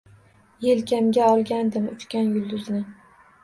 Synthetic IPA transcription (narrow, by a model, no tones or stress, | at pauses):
jelkʲamɡʲaɒlˠɡʲand̪ɪmʊ̰t͡ʃ̪kʲanjʊlˠd̪ʊznɪ